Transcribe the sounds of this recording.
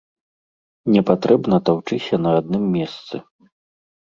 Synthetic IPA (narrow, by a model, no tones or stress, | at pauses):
nʲɛpat̪ɾɛbnɐt̪awt͡ʂɨsʲɐnɐad̪̚nɨmːʲɛst̪sɨ̰